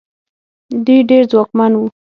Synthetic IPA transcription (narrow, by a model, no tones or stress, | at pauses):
d̪ujɖeɾzwɑkmanwu